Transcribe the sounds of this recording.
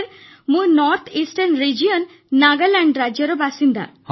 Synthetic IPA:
ɾ | muɾnɔɾt̪ʰisʈaɾnɾid͡ʑionː | aɡalɛɳɖɾaoɾobaʃind̪a̰h

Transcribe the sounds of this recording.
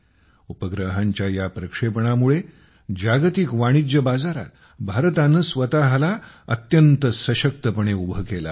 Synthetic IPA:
upəɡɾəɦãɲt͡ɕjajapɾəkʂepəɳ̃amuɭe | d͡ʑaɡt̪ikʋaɽ̃id͡ʑəbad͡zaɾa̰t̪ | bʱaɾt̪anəsʋət̪aɦlaə̰t̪jənt̪əsəɕək̚t̪əpəɳeubʱəkela̰

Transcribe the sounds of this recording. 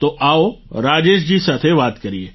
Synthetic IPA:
t̪oʔaoɾaːd͡ʒeʃd͡ʑiːsat̪ʰeʋaːt̪kəɾie

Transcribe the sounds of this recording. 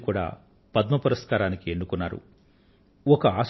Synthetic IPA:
kuːɽa̰ː | pɐd̪mɐpɐɾɐskaːɾaːnikienːukunːaːɾṵ | ɔkɐaːs

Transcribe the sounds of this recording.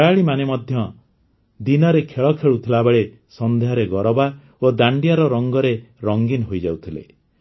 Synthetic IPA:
jaɭimanemɔd̪ʱjɔ | d̪inɔɾekʰeɭɔkʰeɭut̪ʰilabeɭe | sɔnd̪eɦɔɾeɡɔɾɔba | od̪aɳɖijaɾɔɾɔŋɡɔɾeɾɔŋɡinɦojd͡ʒawt̪ʰilḛ

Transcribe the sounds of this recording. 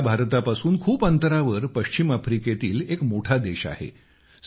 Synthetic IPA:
bʱaɾt̪apasuːnkʰuːpənt̪əɾaʋəɾpəɕt͡ɕimafɾiket̪iːlekmoʈʰad̪eɕa̰hḛ | s

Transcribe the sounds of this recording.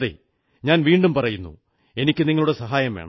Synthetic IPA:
ðḛ | ɲaːnʋiːɳɖumpɐrɐjunːṵ | e̞nikʲːɨniŋːɐɭuɽesɐɦaːjɐmʋeːɳɐ̰

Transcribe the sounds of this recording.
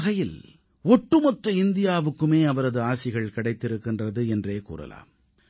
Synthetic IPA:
ɣɐjɪl | ɔʈːɯmɔt̪ɾɯɪnd̪ɪjaːʋɯkːɯmeːɐʋɐɾɐðɯaːsɪɣɐɭkɪɽɐɪt̪ːɪɾɯkːɪndrɐðɯɛndreːkṵːɾɐ̰la̰ːm

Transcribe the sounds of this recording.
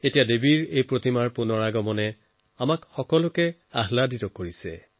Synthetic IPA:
etijadebiɹejpɹotimaɹpunɔɹaɡɔmɔnɛ | amakxɔkɔlʊkɛ | aɦladitɔkoɹisɛ̰

